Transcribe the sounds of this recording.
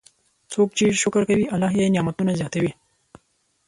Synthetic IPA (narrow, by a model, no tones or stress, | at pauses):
t͡sʰoːk̚t͡ʃiːzʃʊkɾkawiʔalːɑɦjenjɑmɐt̪unazjɑt̪awi